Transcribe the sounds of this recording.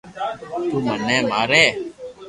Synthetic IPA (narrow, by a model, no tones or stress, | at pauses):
t̪uːmənɛːmaːɾɛː